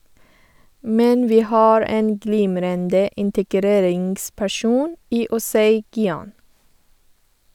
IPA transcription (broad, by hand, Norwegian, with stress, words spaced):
ˈmɛn ˈʋiː ˈhɑːɹ ˈeːn ˈɡliːmɾəndə ɪntəˈɡɾeːɾɪŋɡspæˌʃuːn ˈiː ʊˈsæɪ ɡɪˈɑːn